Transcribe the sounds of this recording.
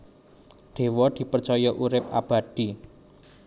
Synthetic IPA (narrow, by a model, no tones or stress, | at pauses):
ɖ̪̥e̤wɔd̪̥i̤pərt͡ʃɔjɔʔuɾɪp̚ab̥a̤d̪̥i